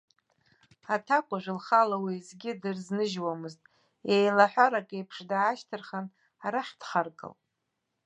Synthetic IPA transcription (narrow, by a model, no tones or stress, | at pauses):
atʰakʷʼaʒʷɨlχalawizɡʲɪdɨrznɨʒwamɨztʼ | jejlaħʷᶣaɾakʼejpʰʂdaaʃtʰɨrχan | aɾaħd̥χarkʼɨ̰l